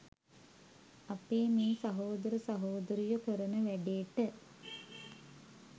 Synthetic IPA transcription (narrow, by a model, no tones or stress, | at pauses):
apeːmeːsɐɦoːd̪əɾəsɐɦoːd̪əɾijukəɾənəʋæɖejʈə